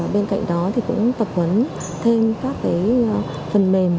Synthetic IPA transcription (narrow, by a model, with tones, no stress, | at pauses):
ɓe˧nka̰˧˨jŋ̟ɗɔ˨˦t̪ʰi˨˩kʊ̰˧˥ŋ͡mt̪ə˨˩p̚hwə˨˦n | t̪ʰe˧mkaː˦˥k̚ːaː˨˦j | fə˨˩nme˨˩m